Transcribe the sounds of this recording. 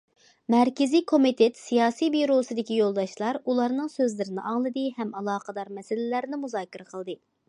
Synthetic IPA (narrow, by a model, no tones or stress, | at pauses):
mɛɾkʲɪzijkʰomit̪ʰet̪sijɑːsijbiɾosɨd̪ɪkʲijolˠd̪ɑʃlˠɑɾulˠɑɾnɨŋsøzlɪɾɪnɪʔɑŋlˠɨd̪ɨhɛmɑlˠɑːqʰəd̪ɑɾmɛsɪlɪlæɾnɪmuzɑːkʲiɾɛqʰəlˠd̪ɨ